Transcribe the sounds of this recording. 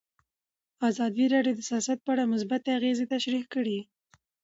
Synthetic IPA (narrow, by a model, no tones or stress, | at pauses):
azɑd̪iɾɑɖjod̪əsijɑsat̪̚pəaɽamʊs̬bat̪eaɣezet̪aʃɾihkəɽi